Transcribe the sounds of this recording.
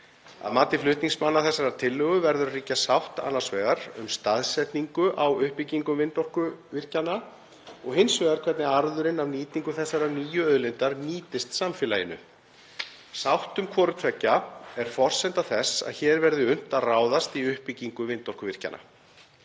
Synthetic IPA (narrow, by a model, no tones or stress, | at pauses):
a̰ðmaːt̪ɪflʏht̪niŋksmanːaθɛsːaɾat̪ʰɪlːœɣʏvɛɾðʏɾariːcasawht̪a̰nːaɾ̥svɛːɣaɾʏ̰mst̪aðsɛt̪niŋkʏʔawʏhpiciŋkʏmvɪnt̪ɔr̥kʏvɪr̥cana | ɔɣɦɪnsvɛːɣaɾkʰvɛt̪nɪaɾðʏɾɪnavniːt̪iŋkʏθɛsːaɾaniːjʏœðlɪnt̪aɾniːt̪ɪst̪samfɪːlajɪnʏ̰ | sawht̪ʏmkʰvɔːɾʏt̪ʰvɛcːaɛɾ̥fɔr̥sɛnt̪aθɛsa̰ðçɛːɾvɛɾðʏʏn̥t̪aðraːwðast̪iʏhpiciŋkʏvɪnt̪ɔhkʏvɪr̥ca̰nʔa̰